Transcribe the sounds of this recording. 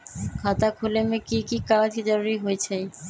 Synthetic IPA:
kʰat̪akʰulemekikikaɾad̪ʰʱid͡ʑaɾuɾiɦojet͡ɕʰe

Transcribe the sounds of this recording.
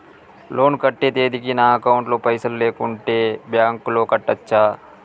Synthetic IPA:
loːnkɐʈːeːd̪eːd̪ikinaːɐkaʊɳʈloːpɐɪsəlːeːkʊɳʈebjaːŋkːloːkɐʈːɐt͡ʃːʃʰaː

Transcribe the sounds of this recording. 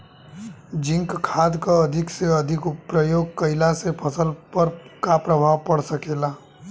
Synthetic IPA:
d͡ʒɪ̃ŋkkʰaːd̪kaɐd̪ʱɪkseɐd̪ʱɪkpɾəjoːɡ̚kəɪlasepʰəsəlpəɾkapɾəbʱaːʋpəɽsəkeːlaː

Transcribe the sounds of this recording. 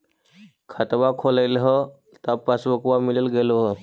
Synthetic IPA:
kʰat̪ʋakʰolajlɦə | t̪apasʋəkʋamiləlɡeloɦə

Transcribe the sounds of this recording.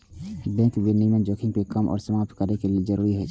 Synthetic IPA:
bɛ̃ːkbenimẽd͡ʒokʰɪ̃ŋɡ̚pekəmʔɔ̰ːɾsəmaːp̚t̪kəɾnekelied͡ʒəɾuːɾiɦɛ

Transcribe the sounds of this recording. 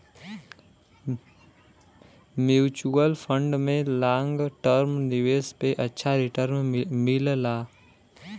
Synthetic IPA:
mjuːt͡ʃuəlpʰə̃ɳɖmẽlãːŋɡʈəɾmnɪʋeːspeʔɐtːʃʰaɾɪʈəɾmmɪllaː

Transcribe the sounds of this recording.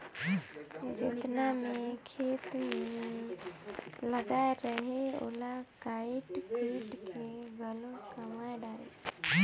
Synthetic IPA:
d͡ʒɪt̪namekʰeːt̪me | ləɡaɾəɦeo̰lakaiʈkiːʈkeɡəlokəmaɖaːe

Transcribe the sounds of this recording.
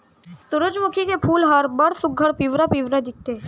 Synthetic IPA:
suɾʊd͡ʒmukʰikepʰuːlɦəɾbəɽsuɡʱːəɽpiʋɾapiʋɾəd̪ik̚t̪e

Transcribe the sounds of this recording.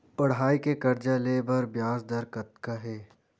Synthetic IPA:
ɐɽɦaːikekɐɾd͡ʒaleːbɐɾbjaːzd̪ɐɾkɐt̪kaɦɛː

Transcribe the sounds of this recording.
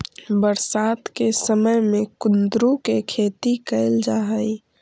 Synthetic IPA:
bəɾsaːt̪kesəməjmẽkʊnd̪ɾukekʰeːt̪ikəɪld͡ʒaːɦəj

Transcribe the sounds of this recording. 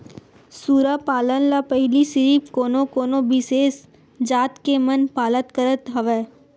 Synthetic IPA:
suːɾapaːlənlapəɦɪlisɪɾiːpkoːnokoːnobɪseːs | d͡ʒaːt̪kemənpaːlət̪kəɾət̪ɦɐʋɛː

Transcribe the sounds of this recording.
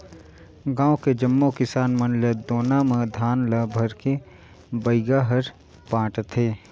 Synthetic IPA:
ɡãːõked͡ʒəmːokɪsaːnmənljəd̪oːnamẽd̪ʱaːnləbʱəɾke | bəɪɡaɦəɾ | pãːʈt̪ʰeː

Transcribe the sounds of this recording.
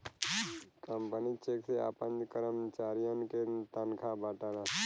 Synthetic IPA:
kəmpənit͡ʃeːksea̰pənkəɾəmt͡ʃaːɾijə̃nket̪ənkʰabaːʈala

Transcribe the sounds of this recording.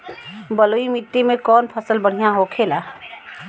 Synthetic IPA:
bəloimiʈːimẽkɔːnpʰəsəlbəɽ̤ijãɦokʰeːlaː

